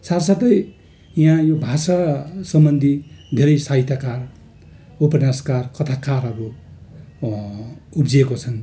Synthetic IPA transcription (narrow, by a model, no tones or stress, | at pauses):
saɾsat̪ʌj | jãjobʱasasʌmbʌnd̪ʱid̪ʱeɾʌjsaɦit̪ʰjakar | upʌnaskarkʌt̪ʰakaɾɦʌɾu | upd͡zekot͡sʰʌn